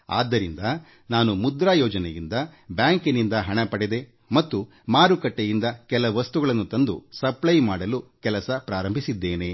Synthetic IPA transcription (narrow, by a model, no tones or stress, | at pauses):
a̰ːd̪ːɐɾind̪ɐ | naːnumud̪ɾaːjɔːd͡ʒɐnḛjind̪ɐbjaːŋkinind̪ɐɦɐɳɐpɐɽed̪e̞ | mɐt̪ːu | maːɾukɐʈːejind̪ɐkɛlɐʋɐst̪uɡɐɭɐnːut̪ɐnd̪ṵsɐplɐjmaːɽɐlukɛlɐsɐpɾaːɾɐmbʱisid̪ːeːne̞